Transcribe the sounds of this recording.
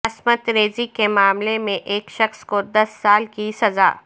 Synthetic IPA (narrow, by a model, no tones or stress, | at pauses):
ɐsmət̪ɾeːzikemaːmlemẽʔeːkʃɐxskod̪ɐsːaːlkisɐza̰ː